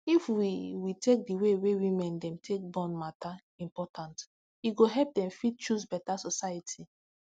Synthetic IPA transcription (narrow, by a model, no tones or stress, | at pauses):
ifwiwitek̚diwewewĩmɛ̃ndɛ̃mtʰek̚bɔ̃nmata | ĩmpɔtʰãnt | iɡoɦɛlp̚dɛ̃mfid̚t͡ʃuzbɛtasɔsajatʰi